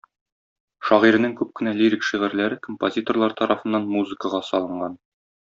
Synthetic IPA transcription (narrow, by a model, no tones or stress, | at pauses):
ʃɒʁiɾɘ̆nɘŋkʉp̚kɘ̆næliɾʲikʃiʁɘ̆ɾlæɾɘkompozʲit̪orlˠɑɾt̪ɒɾʔɑfɤ̆nːɑnmuzɨ̆kəʁɑsɒlˠɤ̆ɴɢɑn